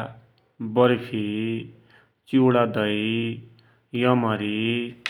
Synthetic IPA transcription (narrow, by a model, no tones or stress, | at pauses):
bʌɾpʰi | t͡suɽad̪ʌi | jʌmʌɾi